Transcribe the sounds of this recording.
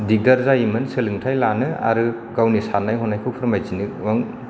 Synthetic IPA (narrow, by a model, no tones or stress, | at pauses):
diɡaɾzaimɯnsɯlɯŋtʰajlanɯa̰ɾɯ | ɡawnisanːajɦɔnːajkʰɯpʰɯɾmajzinɯwaŋ